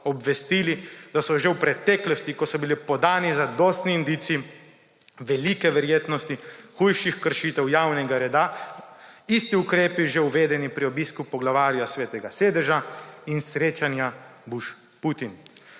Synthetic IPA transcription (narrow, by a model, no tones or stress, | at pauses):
ɔbʋɛst̪ilid̪asɔʒewpɾɛt̪ɛːklɔst̪ikɔsɔbilipɔd̪aːnizad̪ɔːst̪niind̪it̪siː | ʋɛlikɛʋɛɾjeːt̪nɔst̪ixujʃixkəɾʃiːt̪ɛwjaːwnɛɡaɾɛd̪a | ist̪iukɾeːpiʒeuʋeːd̪ɛnipɾiobiskupɔɡlaʋaːɾjasʋeːt̪ɛɡaseːd̪ɛʒainsɾeːt͡ʃanjabuʃ | put̪in